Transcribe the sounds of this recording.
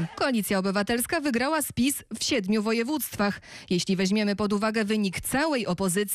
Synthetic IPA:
kɔalʲit̪sʲjaɔbɘvat̪ɛlskavɘɡɾawaspʲisfɕɛd̪mʲjuvɔjɛvut̪st̪faxjeɕlʲivɛʑmʲjɛmɘpɔd̪uvaɡɛvɘɲikt̪sawɛjʔɔpɔzɘt̪sʲ

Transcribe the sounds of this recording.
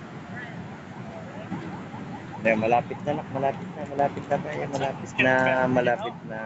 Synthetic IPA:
damalaːpɪt̪̚nanak̚malaːpɪt̪̚namalaːpɪt̪̚namajamalaːpɪt̪̚namalaːpɪt̪̚na

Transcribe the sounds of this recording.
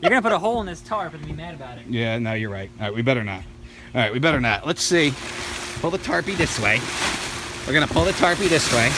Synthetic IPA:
jə˞ɡʌ̃nəpʊɾəɦoʊlˠə̃nðɪstʰɑɹpɨðbimæɾɨbaʊɾɨtjænaʊjə˞ɹaɪt̚ɹaɪt̚wibɛɾə˞nə̰t̚ | ɑɹaɪt̚wibɛɾə˞nət̚lətsi | pʰʊlˠðətʰɑɹpiðɪsweɪ | wɨɹɡʌnəpʰʊlˠðɨtʰɑɹpiðɪsweɪ

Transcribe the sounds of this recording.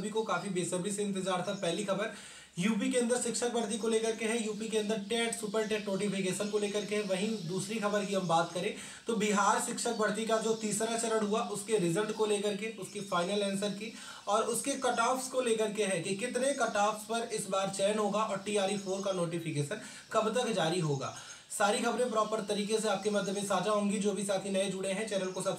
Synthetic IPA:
bʱikokaːfibeːsəbiseɪ̃nt̪̬ɪd͡ʒaːɾt̪ʰapɛɦːlixɐbəɾ | juːp̬ikeɐ̃nd̪əɾʃɪkʃək̚bɐɽt̪̬ikoleːkɐɾkeɦɛ̃juːpikeɐ̃nd̪əɾʈɛːʈsupəɾʈɛːʈnoːʈɪfɪkeːʃənkoleːkɐɾkeɦɛ̃ʋɐɦĩd̪uːsɾixɐbəɾkiɦɐmbaːt̪kɐɾẽː | t̪obɪɦaːɾʃɪkʃək̚bɐɽt̪̬ikad͡ʒoːt̪iːsɾat͡ʃɐɾəɽɦuaʔʊskeɾɪzəlʈkoleːkɐɾkeʊskifaːɪnəlɛ̃ːnsəɾki | ɔːɾʊskekɐʈaːfskoleːkɐɾkeɦɛkikɪt̪nekɐʈaːfspɐɾɪsbaːɾt͡ʃɛːənɦoːɡaʔɔːɾʈiːaːɾifʰoːɾkanoːʈɪfɪkeːʃən | kɐbt̪ɐkd͡ʒaːɾiɦoːɡa̰ː | saːɾixɐbɾẽpɾɔːpəɾt̪ɐɾiːkeseaːp̚kemɐd̪ʱːəd̪mẽsaːd͡ʒaɦʊ̃ŋɡid͡ʒoːbʱisaːt̪ʰinɐed͡ʒʊɽeɦɛ̃t͡ʃɛɾəɽkosaːt̪

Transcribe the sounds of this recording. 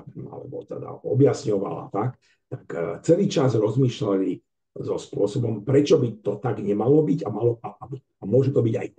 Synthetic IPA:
ba̰lɛ̰bɔ̰t̪ɛ̰d̪a̰ɔ̰bjasɲɔʋa̰la̰t̪ak | t̪ḁkt͡sɛliːt͡ʃazɾɔzmiːʃlali | zɔspʊɔsɔbɔmpɾɛt͡ʃɔbit̪ɔt̪aɡɲɛmalɔbiɟamalɔpatabi | amʊɔʒut̪ɔbiɟa̰j

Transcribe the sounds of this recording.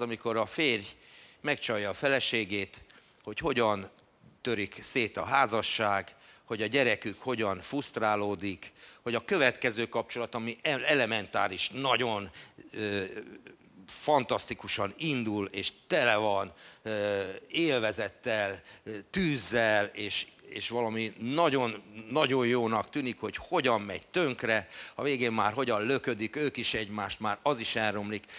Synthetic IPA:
ɒmiko̞ɾɒfeːrjmɛkt͡ʃɒjːɒːfɛlɛʃeːɡeːt̪ | ho̞cho̞ɟɒn | t̪ø̞ɾikseːt̪ɒɦaːzɒʃːaːɡho̞ɟɒɟɛɾɛkykho̞ɟɒnfust̪raːloːd̪ikho̞ɟɒkø̞vɛt̪kɛzøːkɒp̚t͡ʃo̞lɒt̪ɒmiɛɛlɛmɛnt̪aːɾiʃnɒɟo̞nøː | fɒnt̪ɒst̪ikuʃɒnind̪uleːʃt̪ɛlɛvɒn | eːlvɛzɛt̪ːɛlt̪yːzːɛleːʃeːʃʋɒlɒminɒɟo̞nːɒɟo̞jjoːnɒkt̪yːnikho̞cho̞ɟɒmːɛ̰ɟt̪øŋkrɛɒveːɡeːmːaːrɦo̞ɟɒnlø̞kød̪ikøːkiʃɛɟmaːʃt̪maːɾɒziʃɛlːo̞mlik

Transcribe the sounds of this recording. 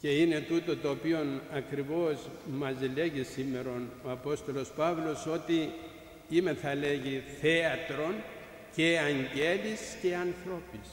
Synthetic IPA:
ce̞ine̞t̪ut̪o̞t̪o̞ːpio̞nɐkɾivo̞smɐzle̞ʝisimːe̞ɾo̞noɐpo̞st̪o̞lo̞spɐvlo̞so̞t̪i | imeθɐle̞ʝiθe̞ɐt̪ɾo̞n | ceɐɲɟe̞lisce̞ɐnθɾo̞pis

